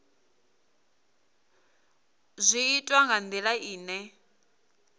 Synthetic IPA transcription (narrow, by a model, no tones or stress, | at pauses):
zʷiitʼwaŋɡand̪ilaiːnɛ